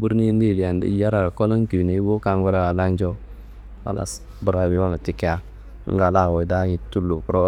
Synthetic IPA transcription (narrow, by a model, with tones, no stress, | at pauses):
bu˦ɾni˦n˦di˦˨li˨a˨n˨dḭ˦ja˦ɾa˨a˨ko˦lə˦ŋ˦ki˨ne˨˦bo˦ka˨ŋɡe˦ɾa˦ɡa˨la˦n˦d͡ʒo˦ | a̰˨la̰˨s | bu˨ɾa˨bi˨˦wa˦na˨ti˦ke˦a˦ | ŋ̩˦ɡa˨la˦˨wo˨da˦ŋi˨tu˦lːu˨ku˨˦ɾo˦